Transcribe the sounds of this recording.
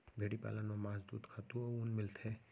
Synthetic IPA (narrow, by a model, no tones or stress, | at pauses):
bʱeːɽipa̰ːlanomaːsd̪ṵːd̪kʰat̪uoʊnmɪlt̪ʰɛ